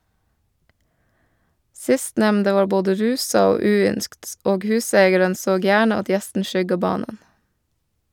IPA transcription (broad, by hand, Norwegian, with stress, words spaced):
ˈsɪstnɛmndə ˈʋɑː ˈboːdə ˈɾʉːsɑ ˈoː ˈʉːˌʏnskt ˈoːɡ ˈhʉːseɪɡɛɾən ˈsoːɡ ˈjæːɳə ˈɑt ˈjɛstn̩ ˈʃʏɡɑ ˈbɑːnən